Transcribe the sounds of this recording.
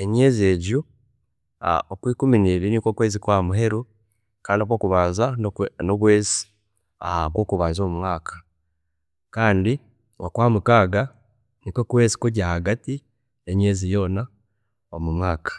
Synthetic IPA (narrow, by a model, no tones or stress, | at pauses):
eɲeːzie̞ɟu | a̰okwiːkuminiɾinikokwe̞ːzikwaːmuɦe̞ɾu | kaːndokokuβaːzanoβweːzi̥ | akwoːkuβaːzoːmumwaːkḁ | kaːndi | wakwaːmukaːɡa | niko̞kwe̞ːzi̥kuɟahaɡati | eɲe̞ːzijoːna | omumwaːkḁ